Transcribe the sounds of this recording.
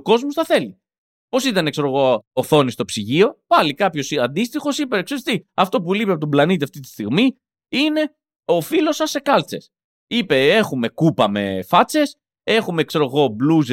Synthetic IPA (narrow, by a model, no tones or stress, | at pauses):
ko̞zmosθɐθe̞li | po̞sit̪ɐnekse̞ɾo̞ɣo̞ːθo̞nist̪o̞psiʝio̞pɐlikɐpço̞siɐnd̪ist̪ixo̞sipeeksest̪iɐft̪o̞p̬ulipeɐpo̞t̪oblɐnit̪iɐft̪it̪i̥st̪iɣmi | ine̞ | o̞filo̞sɐsːe̞kɐlt͡se̞̰s | ipe̞e̞xume̞kupɐme̞̰fɐt͡se̞s | e̞xumekse̞ɾo̞ɣo̞bluze